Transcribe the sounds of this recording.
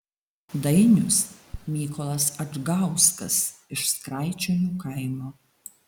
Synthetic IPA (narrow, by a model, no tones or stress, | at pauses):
d̪ɐɪnʲʊsmʲiːkɔlˠɐsɐʒɡɐʊskɐsɪʃskɾɐˑɪt͡ʃʲonʲuːkɐˑɪmoː